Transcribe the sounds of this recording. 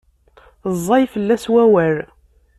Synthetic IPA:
zˤːɑjfəlːæswæwæɾ

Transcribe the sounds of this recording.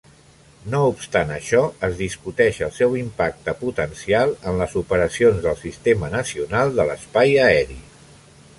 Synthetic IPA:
noupst̪anəʃɔəzðiskut̪ɛʃəlˠsɛwimpak̚t̪əput̪ənsialˠənləzupəɾəsionzðəlˠsist̪emənəsiunalˠd̪ələspajəɛɾi

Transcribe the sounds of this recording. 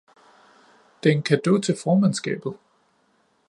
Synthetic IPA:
d̥enkʰæd̥o̰ːt͡sʰe̝lfɒːmænsɡ̥ɛ̰ːb̥ð̞̩ˠ

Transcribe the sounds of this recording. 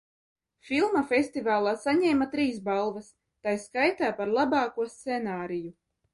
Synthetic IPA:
filˠmafʲest̪ivaːlˠaːsaɲɛːmat̪ɾiːsbalˠvas | t̪ajskajt̪aːpaɾlˠabɑːkuɔst̪senaːɾiju

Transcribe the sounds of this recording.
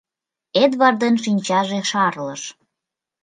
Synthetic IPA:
ed̪βɑrd̪enʃinʲt͡ɕɑʒeʃɑrləʃ

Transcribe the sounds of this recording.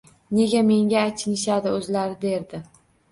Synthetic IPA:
ne̞ɡʲame̞ŋɡʲaːjt͡ʃʰɪnɪʃad̪ɪɵzlaɾɪd̪e̞ɾd̪ɪ

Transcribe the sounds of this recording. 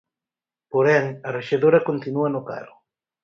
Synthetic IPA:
poɾɛŋɐreʃeðoɾɐkont̪inuɐnoka̰ɾʊ

